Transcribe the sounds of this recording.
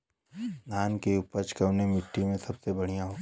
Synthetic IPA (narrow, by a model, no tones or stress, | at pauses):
naːnkeʊpət͡ʃkəʋnemɪʈːimẽsɐbsebɐɽ̤ijãɦoː